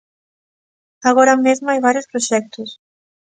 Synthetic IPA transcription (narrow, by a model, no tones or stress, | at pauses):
aɣoɾamezmajβaɾjuspɾoʃɛk̚t̪us